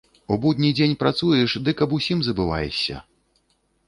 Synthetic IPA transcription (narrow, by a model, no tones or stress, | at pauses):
ubud̪ʲnʲid͡zʲenʲpɾat̪sujɛʂd̪ɨkɐpusʲimzɐbɨva̰jɛ̰sʲɐ̰